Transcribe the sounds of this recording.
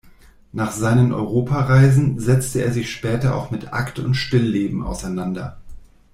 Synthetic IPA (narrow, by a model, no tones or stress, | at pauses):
naːχz̥aɪnənʔɔ̰ʏʁoːpʰaʁaɪzn̩zɛt͡stəeːɐzɪçʃpɛːtɐʔa̰ʊxmɪtʔa̰ktʰʊntʃtɪlːeːbm̩ʔa̰ʊsaɪnandɐ